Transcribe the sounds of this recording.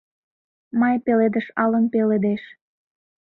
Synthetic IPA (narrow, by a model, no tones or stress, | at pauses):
mɑjpeled̪əʃɑlənpeled̪eʃ